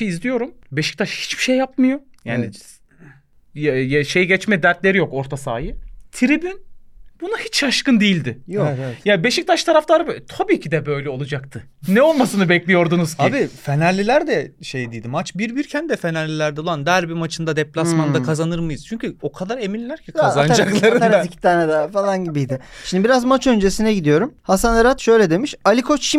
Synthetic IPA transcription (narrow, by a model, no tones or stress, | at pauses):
iizlʲijo̞ɾumbeʃi̥c̚t̪ʰaʃhi̥t͡ʃb̥i̥ʃejːapmɯjo̞ | jaːni | jʃe̞jiɟɛt͡ʃmɛd̪æɾt̪lʲe̞ɾijo̞ko̞ɾt̪ʰasaːjɯt̪ʰiɾibinbunuhit͡ʃʃaʃkɯnd̪ijilʲd̪ɪjjabe̞ʃic̚t̪ʰaʃt̪ʰaɾaft̪ˠaɾɯbt̪ʰabiːcʰid̪ɛbøjlʲɛo̞lˠad͡ʒak̚t̪ʰɯ | nɛo̞lˠmasɯnɯbɛclʲijo̞ɾd̪unuzkiabifenalʲːilʲæɾd̪ɛʃejd̪ijd̪imat͡ʃbiɾbiɾcʰænd̪ɛfe̞nalʲːilʲæɾd̪ɛluand̪æɾbimat͡ʃʰɯnd̪ad̪ɛplʲasmand̪akʰazanɯɾmɯjɯz̥t͡ʃʰyɲcyo̞kʰad̪aɾeminʲlːʲæɾcʰiaanad͡ʒaklˠaɾɯɾicʰi̥t̪ʰaːnɛd̪ɛfalˠanɟibijd̪ɪʃimnd̪ibiɾazmat͡ʃʰø̞nd͡ʒe̞sinɛɟid̪ijo̞ɾumhasaneɾat̪ʃø̞jlʲɛd̪e̞miʃalʲikʰo̞t͡ʃʃi